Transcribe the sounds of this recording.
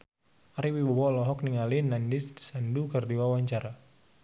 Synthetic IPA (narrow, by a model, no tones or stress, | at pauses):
ʔaɾiwibɔbɔlɔɦɔk̚niŋalinandisdi̥sandukərdiwawaɲt͡ʃaɾa